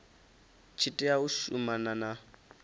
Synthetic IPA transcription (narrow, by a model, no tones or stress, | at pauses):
t͡ʃʰitʼɛauʃṵmanana